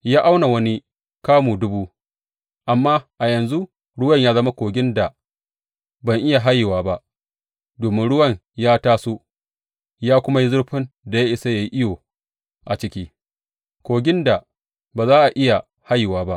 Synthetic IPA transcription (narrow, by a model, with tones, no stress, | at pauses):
jaː˦ʔa˦wna˨wɐ˦ni˦ | kaː˦muː˨dʊ˦buː˦ | ʔa˨mːaː˦ʔa˨jɐ˨nzu˦ | ɽʊ˦wɐ˦˨ɲjaː˦zɐ˦ma˦kʷoː˨ɡʲɪ˦nda˨ | bɐ˨ŋʔɪ˦ja˨ɦa˦jːɪ˨waː˦ba˦ʔ | doː˨mɪ˦nɽʊ˦wɐ˦˨ɲjaː˦taː˦su˦ | jaː˦kʷʊ˦ma˦ji˦zʊ˦ɽɸɪ˦nda˨ja˦ʔɪ˨sa˦ja˦ji˦ʔɪ˦joː˨ | ʔa˨t͡ʃɪ˦kʲiː˦ | kʷoː˨ɡʲɪ˦nda˨ | baː˨zaː˦ʔa˨ʔɪ˦ja˨ | ha˦jːɪ˨waː˦ba˦ʔ